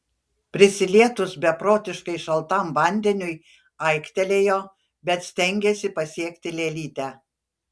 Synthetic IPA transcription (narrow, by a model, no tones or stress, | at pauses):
pʲɾʲɪsʲɪlʲiɛt̪ʊsbʲɛpɾoːt̪ʲɪʃkɐɪʃɐlˠt̪ɐˑmʋɐˑnʲd̪ʲɛnʲʊj | ɐɪkt̪ʲɛlʲeːjoː | bʲɛt̪sʲt̪ʲɛŋʲɡʲeːsʲɪpɐsʲiɛkt̪ʲɪlʲeːlʲiːt̪ʲæː